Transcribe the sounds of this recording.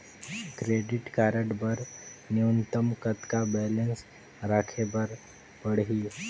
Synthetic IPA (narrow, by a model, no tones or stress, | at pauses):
kɾeːɖɪʈkaːɾəʈbəɾnjunt̪əmkət̪kabɛːlə̃ns | ɾaːkʰebəɾ | pəɽɦiː